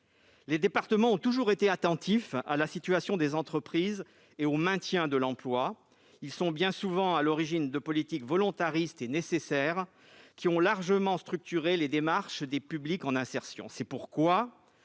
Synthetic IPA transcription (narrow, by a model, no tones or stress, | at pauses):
led̪epaʁt̪əmɑ̃ɔ̃t̪uʒuʁet̪eat̪ɑ̃t̪ifa̰lasit̪yɥasjɔ̃d̪ezɑ̃t̪χəpχiz | eomɛ̃t̪jɛ̃d̪əlɑ̃plwa | ilsɔ̃bjɛ̃suvɑ̃alɔʁiʒind̪əpɔlit̪ikvɔlɔ̃t̪aʁist̪enesesɛʁ | kʲʰiɔ̃laʁʒəmɑ̃st̪χyk̚t̪yʁeled̪emaʁʃd̪epyblikɑ̃nɛ̃sɛʁsjɔ̰̃sɛpuʁkwa